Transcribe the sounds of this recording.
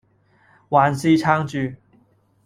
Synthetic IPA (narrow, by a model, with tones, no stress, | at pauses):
wa˨˧˥nsi˥t͡ʃʰa˥ŋt͡ɕy˥